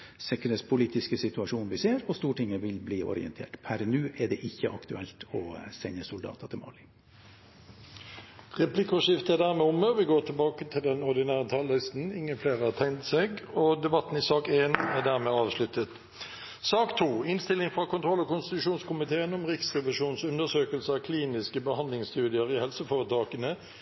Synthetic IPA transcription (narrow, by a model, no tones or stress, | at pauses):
sɪkəɾeːt̪spʰʊliːt̪ɪskəsɪt̪ʉɑʂuːnʋɪseːɾɔst̪uːʈɪŋːəʋɪlbliːʔɔ̰ɾɪ̰ɛ̰nt̪ʰḛːʈpʰæɾɛnʉːʔɛɖɛʔɪçːəʔɑkt̪ʉɛlt̪ɔsɛɲːəsʊld̪ɑ̰ːt̪ɑt̪ʰɪlmo̰ːlɪ | ʁɛplɪkɔʃɪft̪əæd̪æːʁmɛːʊməʋɪɡoːt̪ʰɪlbɑːkət̪ʰɪld̪ɛnɔʁd̪ɪnæːʁət̪ʰɑːlɪst̪n̩ɪŋːəfleːʁhɑt̪ʰɛŋt̪seːɡɔd̪ɛbɑt̪n̩ɪsɑːkeːnæɖ̪æːʁmeːɑːʋslʉt̪ət̪ | sɑːkt̪ʰuːɪnst̪ɪlːɪŋfʁɑːkʊnt̪ʰɾɔlɔkʊnst̪ɪt̪ʉʂuːnskʊmɪt̪ʰeːənɔmʁɪksʁɛʋɪʂuːnsʉnəsøːkəlsəɑʋkʰliːnɪskəbəhɑnd̪lɪŋst̪ʰʉːd̪ɪəʁɪhɛlsəfoːʁət̪ʰɑːkənə